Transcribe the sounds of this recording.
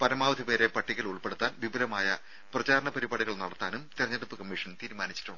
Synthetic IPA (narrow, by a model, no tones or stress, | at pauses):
pɐɾɐmaːʋɐd̪ʱipe̞ːɾe̞pɐʈːikʲːɐluɭpe̞ɽut̪ːaːnʋibɐɾɐmaːjɐ | prɐt͡ɕaːɾɐɳɐpɐɾibaːɽuɣɐɭnɐɽɐt̪ːaːnumt̪irɐɲːɐðɐpːɨkɐmːiʂɐnt̪iːɾumaːnit͡ɕːi̥ʈːuɳɖɨ